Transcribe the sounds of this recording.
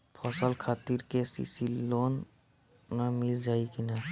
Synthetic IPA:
pʰɔsəlkʰaːt̪iɾkesḭsilloːnː | amɪld͡ʒaːikina

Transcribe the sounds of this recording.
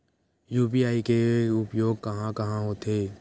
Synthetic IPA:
juːpiaːikeʊpjoːɡ̚kɐɦãkɐɦãɦoːt̪eː

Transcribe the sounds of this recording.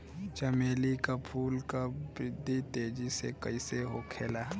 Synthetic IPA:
t͡ʃəmeːlikapʰuːlkabɾɪd̪ʱːit̪eːd͡ʒisekəiseɦoːkʰeːlaː

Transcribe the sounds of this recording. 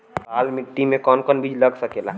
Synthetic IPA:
aːlmiʈːimẽkɔːnkɔnbid͡ʒləɡsəkela̰

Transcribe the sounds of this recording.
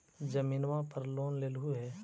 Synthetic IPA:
d͡ʒɐmiːnwãpɐɾloːnleːlɦuɦɛː

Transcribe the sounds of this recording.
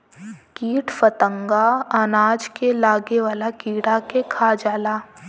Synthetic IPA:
kiːʈʰfət̪ə̃ŋɡaanaːd͡ʒkelaːɡeʋaːlakiːɽakekʰaːd͡ʒaːlaː

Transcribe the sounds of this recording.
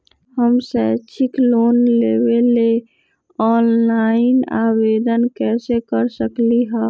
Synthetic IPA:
həmsɛt͡ʃʰiklonlebele | ɔːnlaɪna̰wed̪ənkɛsekəɾsəkliɦɛ

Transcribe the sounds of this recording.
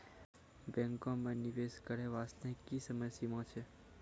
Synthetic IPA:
bɛ̃ŋkomãniʋeskəɾeʋast̪ʰẽkːisəməsimõt͡ʃʰe

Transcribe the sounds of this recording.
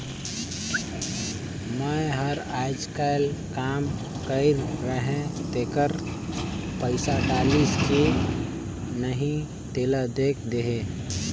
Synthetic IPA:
məɦəɾaɪd͡ʒkaɪlkam | kəɪɾːəɦẽt̪ekəɾ | pəɪsaʈaliske | nəɦĩ | t̪eləd̪ekʰd̪eɦe

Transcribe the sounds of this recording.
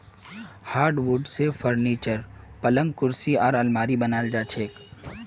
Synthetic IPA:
haːɾɖwuɖsefəɾniːt͡ʃəɾpɐlə̃ŋɡkʊɾsiɔːɾɐlmaːɾibɐnaːld͡ʒaːt͡ʃʰeːk

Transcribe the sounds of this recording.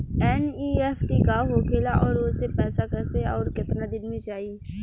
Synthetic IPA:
ɛːniːɛːpʰʈikaɦokʰeːlaʔɔːɾʊsepɛːsakɛseɔːɾkɪt̪nad̪ɪnmẽt͡ʃaːɦi

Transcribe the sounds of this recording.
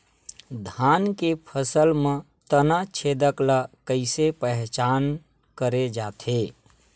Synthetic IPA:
d̪ʱankepʰəsəlme | t̪ənat͡ʃʰed̪əkləkəɪsepəɦt͡ʃan | kəɾed͡ʒat̪ʰe

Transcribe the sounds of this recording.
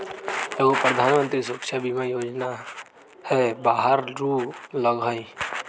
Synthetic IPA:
eɡopɾəd̪ʱaːnmə̃nt̪ɾisʊəkʃabimãjoːd͡ʒna | hɛbaːɦəɾɾuːləɡɦəi

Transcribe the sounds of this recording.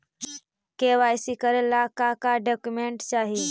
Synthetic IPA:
keʋajsikəɾelakakaɖɔkjumeɳʈt͡ʃaɦi

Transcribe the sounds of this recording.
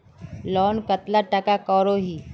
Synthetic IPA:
lɔːnkət̪laʈəkakɔːɾoɦiː

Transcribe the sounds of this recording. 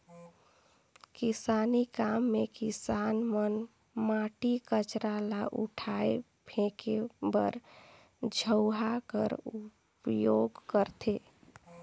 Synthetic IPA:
kɪsaːnikaːmːekɪsaːnmən | maʈikət͡ʃɾalaʔṵʈʰae | bʱẽkebə̰ɾ | d͡ʒʱəʊɦakə̰ɾu | pjoɡkəɾt̪ʰeː

